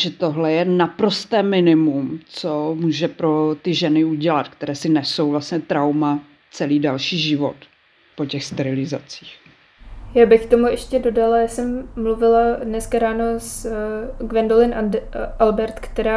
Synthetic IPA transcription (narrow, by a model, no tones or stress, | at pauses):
ʒɛt̪o̞ɦlɛjɛnapɾo̞st̪ɛːmɪnɪmumt͡somuːʒɛpɾo̞t̪ɪʒɛnɪuɟɛlat̪kt̪ɛɾɛːsɪnɛso̞wvlasɲɛt̪ɾawma | t͡sɛliːdalʃiːʒɪvo̞̰t̪ | pocɛxst̪ɛɾɪlɪza̰t͡si̥ːx | jaːbɪxkt̪o̞muʔɛʃcɛdo̞dalajaːsɛmːluvɪladnɛskaɾaːno̞s | ɡvɛndolɪnʔalbɛɾt̪kt̪ɛɾaː